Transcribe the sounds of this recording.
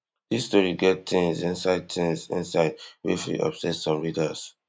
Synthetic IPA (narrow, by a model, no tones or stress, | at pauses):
disstɔɹiɡɛtĩŋzĩnsaɪd̚tʰĩŋzḭ̃nsaɪd̚wiflḭʔɔ̰bsɛtsɔ̃mɹidas